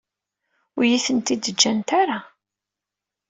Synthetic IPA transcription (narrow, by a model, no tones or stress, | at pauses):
ʊjiθənt̪id̪əd͡ʒːænt̪aɾa